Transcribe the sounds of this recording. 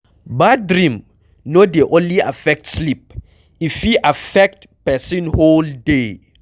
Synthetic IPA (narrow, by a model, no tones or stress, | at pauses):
badɹĩm | nodeʔõnlia̰fɛk̚tslip̚ | ifiʔafɛk̚tpɛsĩnholde